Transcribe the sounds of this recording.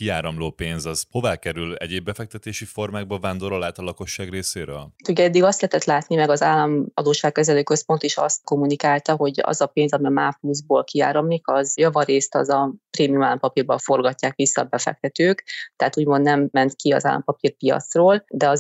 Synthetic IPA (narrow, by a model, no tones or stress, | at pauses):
kiaːɾɒmloːpeːnzɒz̥ho̞vaːkɛɾylɛ̰ɟeːbːɛfɛk̚t̪ɛt̪eːʃifo̞rmaːɡ̚bɒvaːnd̪oɾolaːt̪ɒlɒko̞ʃːaːɡreːsḛːɾø̰ːlt̪uɟɛd̪ːiɡɒst̪lɛɦɛt̪ɛt̪laːt̪nimɛɡɒzaːlːɒmɒd̪oːʃaːkkɛzɛløːkø̞spo̞nt̪iʃɒ̰st̪ko̞munikaːlt̪ɒɦo̞ɟɒ̰zɒpeːnzɒmimaːpluzboːlkia̰ːɾɒmlikɒzjɒvɒɾeːst̪ɒ̰zɒpreːmijumalːɒmpɒpirbɒɱfo̞rɡɒcːaːkʋisːɒ̰bɛfɛ̰k̚t̪ɛt̪øːkt̪ɛaːt̪uːɟmo̞nd̪nɛmːɛnt̪kiɒ̰za̰ːlːɒ̰mpɒpirpiɒ̰t̪sroːld̪ɛɒz